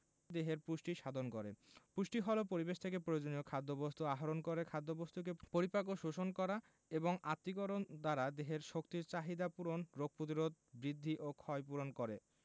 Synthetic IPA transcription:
d̪eɦeɾpuʃʈiʃad̪ʱonkoɾḛpuʃʈiɦɔlopoɾibeʃt̪ʰek̬epɾojod͡ʑonijokʰad̪ːobost̪uaɦoɾonkoɾekʰad̪ːobost̪uk̬epoɾipakoʃoʃonkɔɾa | eboŋat̪ːik̬oɾond̪aɾad̪eɦeɾʃokt̪iɾt͡ɕaɦid̪apuɾonɾoɡ̚pɾot̪̬iɾod̪̚bɾid̪ʱːiʔokʰɔjpuɾonkoɾe

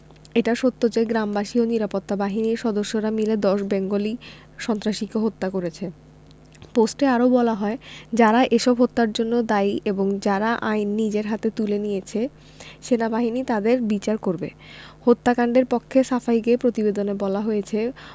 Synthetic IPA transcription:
eʈaʃot̪ːod͡ʑeɡɾambaʃioniɾapot̪ːabaɦiniɾʃɔd̪oʃːoɾamiled̪ɔʃbɛŋɡoli | ʃɔnt̪ɾaʃikeɦot̪ːakoɾet͡ɕʰe | posʈeaɾobɔlaɦɔed͡ʑaɾaʔeʃɔbɦot̪ːaɾd͡ʑonːod̪ajeboŋd͡ʑaɾaʔajnːid͡ʑeɾɦat̪et̪ulenijet͡ɕʰe | ʃenabaɦinit̪ad̪eɾbit͡ɕaɾkoɾbe | hot̪ːakaɳɖeɾpɔkʰːesafaikepɾot̪ibed̪onebɔlaɦojet͡ɕʰe

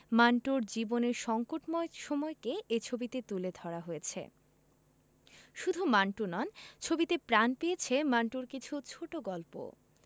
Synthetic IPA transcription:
maɳʈuɾd͡ʑiboneɾʃɔŋkoʈmɔeʃɔmɔekeet͡ɕʰobit̪et̪uled̪ʱɔɾaɦojet͡ɕʰḛ | ʃud̪ʱumaɳʈunɔnt͡ɕʰobit̪epɾanpejet͡ɕʰemaɳʈuɾkit͡ɕʰut͡ɕʰoʈoɡɔlpo̰

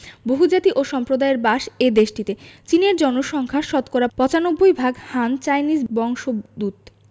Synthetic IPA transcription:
boɦud͡ʑat̪iʔoʃɔmpɾod̪aeɾbaʃed̪eʃʈit̪et͡ɕineɾd͡ʑɔnoʃɔŋkʰaʃɔt̪koɾapɔt͡ɕanobːojbʱaɡhant͡ɕajnid͡ʑbɔŋʃod̪ut̪

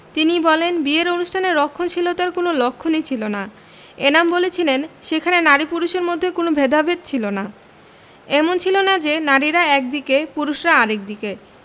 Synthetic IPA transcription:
t̪inibɔlenbieɾonuʃʈʰaneɾɔkʰːont͡ɕʰilot̪aɾkonolokʰːonit͡ɕʰilona | enambolet͡ɕʰilenʃekʰanenaɾipuɾuʃeɾmod̪ʱːekonobʱed̪abʱed̪̚t͡ɕʰilona | ɛmont͡ɕʰilonad͡ʑenaɾiɾaɛk̚d̪ikepuɾuʃɾaaɾek̚d̪ike

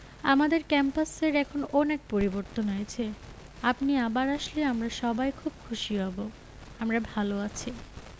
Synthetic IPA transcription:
amad̪eɾkɛmpaseɾɛkʰonɔnek̚poɾiboɾt̪onoet͡ɕʰe | apniabaɾaʃleamɾaʃɔbajkʰub̚kʰuʃiɦɔbo | amɾabʱaloat͡ɕʰi

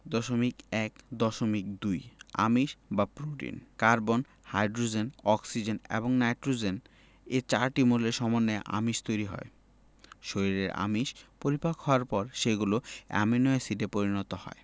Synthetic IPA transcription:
d̪ɔʃomikɛkd̪ɔʃomik̚d̪uja̰miʃbapɾuʈḭnkaɾbon | hajɖɾod͡ʑenɔksid͡ʑenḛboŋnajʈɾod͡ʑen | et͡ɕaɾʈimoleʃɔmonːeʔa̰miʃt̪ojɾiɦɔ̰e | ʃoɾiɾeɾa̰miʃpoɾipakhɔoaɾpɔɾʃeɡuloɛ̰menɔesiʈepoɾinɔt̪ohɔ̰e

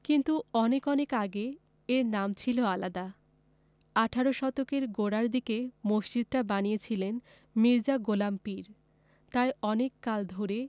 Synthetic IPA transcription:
kint̪uɔnekɔnekaɡe | eɾnamt͡ɕʰiloalad̪a | aʈʰaɾoʃɔt̪okeɾɡoɽaɾd̪ikemoʃt͡ɕid̪ʈabanijet͡ɕʰilen | miɾd͡ʑaɡolampiɾ | t̪ajɔnekːald̪ʱoɾe

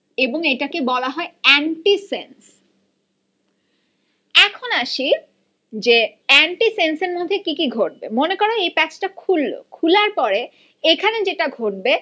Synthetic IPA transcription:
eboŋeʈakebɔlaɦɔeɛɳʈisens | ɛkʰonaʃi | d͡ʑeɛɳʈisenseɾmod̪ʱːekikiɡʱoʈ̚bemonekoɾeejpɛt͡ɕʈakʰulːo̰kʰulaɾpɔɾe | ekʰaned͡ʑeʈaɡʱoʈ̚be

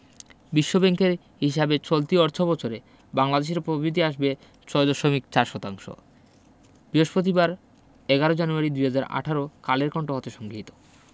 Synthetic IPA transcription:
biʃːobeŋkeɾ | ɦiʃ̬abet͡ɕolt̪iɔɾt̪ʰobɔt͡ɕʰoɾe | baŋlad̪eʃ̬eɾpɾobɾit̪iaʃbe | t͡ɕɔed̪ɔʃomikt͡ɕaɾʃɔt̪aŋʃo̰ | b̥ɾiɦoʃpɾot̪̬ibaɾ | eɡaɾod͡ʑanuaɾid̪ujɦad͡ʑaɾa̰ʈʰaɾokaleɾkɔɳʈoɦɔt̪eʃɔŋɡiit̪o̥

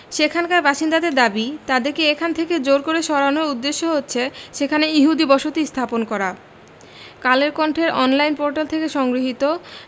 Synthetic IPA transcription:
ʃekʰankaɾbaʃind̪ad̪eɾd̪abit̪ad̪eɾkeekʰant̪ʰeked͡ʑoɾkoɾeʃɔɾanoɾud̪ːeʃːoɦotːɕʰeʃekʰaneiɦud̪ibɔʃot̪ist̪ʰaponkɔɾa | kaleɾkɔɳʈʰeɾɔnlajnpoɾʈalt̪ʰekeʃɔŋɡɾiɦit̪o

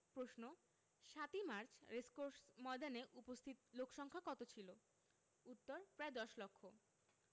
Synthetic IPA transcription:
pɾosno | ʃat̪imaɾt͡ɕʰɾeskoɾsmɔd̪aneʔupost̪ʰit̪lokʰʃɔŋkʰakɔt̪ot͡ɕʰilo | ut̪ːoɾpɾaed̪ɔʃlokʰːo

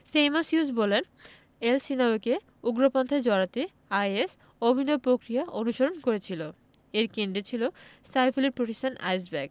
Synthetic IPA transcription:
sejmasjusbolen | elsinaoke | uɡɾopont̪ʰad͡ʑɔɾat̪i | ajes | obʱinoepɾokɾiaʔonuʃoɾonkoɾet͡ɕʰilo | eɾkeɳɖet͡ɕʰilo | sajfuleɾpɾoʈesʈʰana̰js̬bɛɡ

